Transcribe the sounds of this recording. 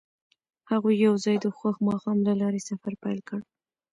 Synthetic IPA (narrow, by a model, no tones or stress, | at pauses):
haɣojːawzɑjd̪əxwaxmɑxɑmlalɑɾesafaɾpajlkəɽ